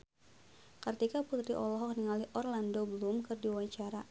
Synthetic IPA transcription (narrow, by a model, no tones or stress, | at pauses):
kɨrt̪ikaput̪ɾiʔɔlɔɦɔk̚niŋaliʔɔrlandobəlumkɨrdiwaɲt͡ʃaɾa